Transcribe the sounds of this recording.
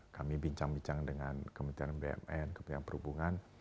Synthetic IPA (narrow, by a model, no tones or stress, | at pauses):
kamibiɲt͡ʃaŋbiɲt͡ʃaŋdəŋankəmənt̪iɾanbeɛ̰mɛnkəmənt̪ianpəɾubuŋan